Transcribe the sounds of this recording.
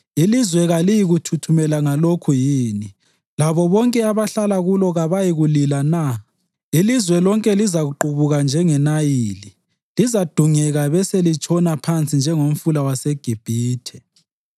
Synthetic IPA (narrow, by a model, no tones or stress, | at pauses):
ilizwɛɣalijiɣutʰutʰumɛlaŋalokʰujiːni | laβɔβɔŋkʼɛaβaɬalaɣulɔɣaβajiɣulilana | ilizwɛlɔŋkʼɛlizaɣuǃuβuɣand͡ʒʱɛŋɛnajiːli | lizad̥ʱuŋɛɣaβɛselit͡ʃʼɔnapʰant͡sʼind͡ʒʱɛŋom̩fulawaseɡ̥ʱib̥ʱiːtʰɛ̥